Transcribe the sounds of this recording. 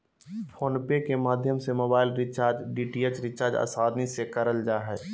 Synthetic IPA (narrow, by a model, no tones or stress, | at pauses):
pʰoːnpekemaːd̪ʱjəmsemoːbaːɪlɾɪt͡ʃaːɾd͡ʒɖiːʈiet͡ʃɾɪt͡ʃaːɾd͡ʒa̰ːsaːd̪nisekəɾəld͡ʒaːɦɛː